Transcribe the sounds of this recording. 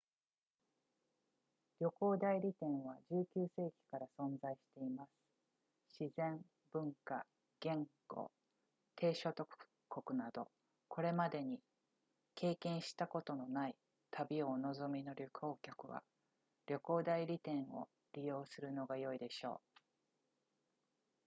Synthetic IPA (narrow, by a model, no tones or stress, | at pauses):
ɾʲo̞ko̞ːd̪aiɾʲit̪ẽ̞ɰ̃βad͡ʑɨːkʲɨːse̞ːkʲi̥kaɾasõ̞nzaiɕi̥t̪e̞imasɨ̥ | ɕizẽ̞m | bɯ̟̃ŋka | ɡ̥ẽ̞ŋɡo̞̰ː | t̪ʰe̞ːɕo̞t̪o̞k | kːo̞kɯ̟nad̪o̞̰ | ko̞ɾe̞mad̪e̞ɲ̟i | kʰe̞ːkẽɰ̃ɕi̥t̪ako̞t̪o̞no̞nai | t̪ʰabʲio̞no̞zo̞mʲino̞ɾʲoko̞ːkʲokɯ̟βa̰ | ɾʲjo̞ko̞ːd̪aiɾʲit̪ẽ̞ɰ̃o̞̰ | ɾʲijo̞ːsɨɾɯ̟no̞ɡajo̞id̪e̞ɕo̞̰ː